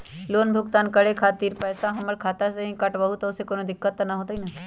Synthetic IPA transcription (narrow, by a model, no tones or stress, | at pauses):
loːnbʱʊkt̪aːnkɐɽekʰaːt̪iːɾpɛːsaɦɐməɾkʰaːt̪aseɦĩkɐʈbɐɦut̪ʊsekoːnõd̪ɪkːət̪ːnɐɦoːt̪aɦinɐ